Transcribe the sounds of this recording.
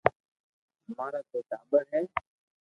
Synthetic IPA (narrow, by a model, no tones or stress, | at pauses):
maːɾaːk̪eːt̪aːbəɾɦɛː